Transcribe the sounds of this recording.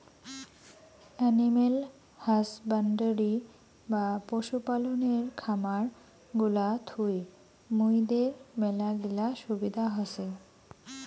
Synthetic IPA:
ɛnimel | hasbaɳɖəɾi | bapoʃupaloneɾkʰamaɾ | ɡulat̪ʰuj | mujd̪eɾmɛlaɡilaʃubid̪ʱaɦɔse

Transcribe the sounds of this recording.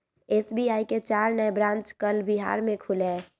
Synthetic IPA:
eːsbiaːiket͡ʃaːɾnəjbɾãːnt͡ʃkəlbiɦa̰ːɾmẽkʰulɛː

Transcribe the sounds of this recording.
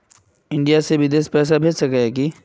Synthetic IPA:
ɪ̃ɳɖijasebɪd̪eːspɛːs̬abʱeːd͡ʒsɐkeɦɛːki

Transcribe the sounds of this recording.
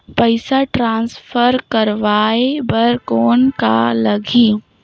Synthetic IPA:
pəɪsaʈɾãːnsfʰəɾkɐɾʋaːebɐɾkoːnka̰lɐɡʱiː

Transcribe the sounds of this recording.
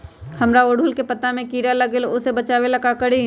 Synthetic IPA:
hɐmɾaoːɽʊlkepɐt̪amẽkiːɾalɐɡelʊsebɐt͡ʃaːʋelɐkakəɽi

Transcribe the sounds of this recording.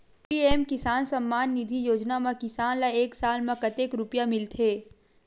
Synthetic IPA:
pieːmkɪsaːnsɐmːaːnːɪd̪ʱijoːd͡ʒnamãkɪsaːnlaeːksaːlmãkɐt̪eːkɾʊpjamɪlt̪ʰeː

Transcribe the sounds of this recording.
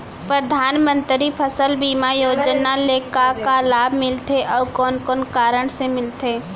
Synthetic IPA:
pɾəd̪ʱaːnmə̃nt̪ɾipʰəsəlbiːmajoːd͡ʒnalekakalaːbʱmɪlt̪ʰeʔɔːkɔːnkɔːnkaːɾəɽ̃semɪlt̪eː

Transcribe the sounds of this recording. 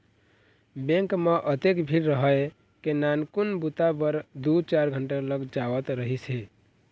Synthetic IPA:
bẽŋkmeʔət̪ekbʱiɾɾəɦəe | kenankunbut̪abəɾd̪ut͡ʃaɾɡʱəɳʈaləɡd͡ʒawət̪ɾəɦise

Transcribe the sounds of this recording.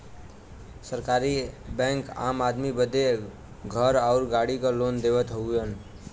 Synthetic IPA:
səɾkaɾibɛ̃ŋka̰mad̪mibəd̪e | ɡʱəɾaʊɾɡaɽikəlond̪ebət̪ɦoujən

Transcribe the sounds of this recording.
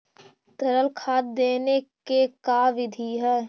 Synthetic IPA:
t̪əɾəlkʰaːt̪̚d̪eːnekekaːʋɪd̪ʱiɦɛː

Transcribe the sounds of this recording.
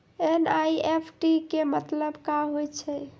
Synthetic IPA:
enajepʰʈikemət̪ləbkaɦojt͡ʃʰɛ

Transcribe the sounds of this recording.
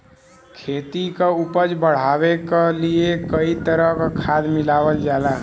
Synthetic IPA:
kʰet̪ikeupəd͡ʒbəɽ̤abekeliekəit̪əɾəɦkkʰad̪milaʋəld͡ʒala

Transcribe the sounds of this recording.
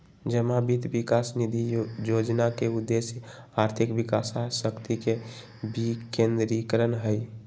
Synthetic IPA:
d͡ʒəmabit̪bikasnid̪ʱijod͡ʒnakeud̪ːesjə | aɾt̪ʰikbikasasəkt̪ike | bikẽnd̪ɾikɾənɦəj

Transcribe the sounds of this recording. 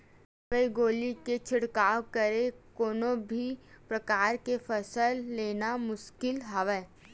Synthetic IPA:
ʋəiɡoːliket͡ʃʰɪɽkaːokəɾekoːnõbʱipɾɐkaːɾkefəsəlːeːnamʊʃkɪlɦɐʋeː

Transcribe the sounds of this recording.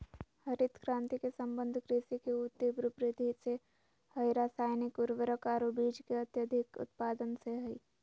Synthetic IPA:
hɐɾɪt̪kɾãːnt̪ikesə̃mbə̃nd̪ʱkɾeːsikeut̪ːibɾʊpɾɪd̪ʱise | həjɾaːsaːjnɪkʊɾʋəɾəkaːɾobiːd͡ʒkeɐt̪jəd̪ʱɪkʊ̰t̪paːd̪ənseɦɐiː

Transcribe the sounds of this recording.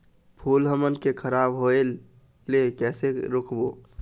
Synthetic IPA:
pʰulɦəmənkekʰəɾabɦoelː | ekɛseɾokʰbo

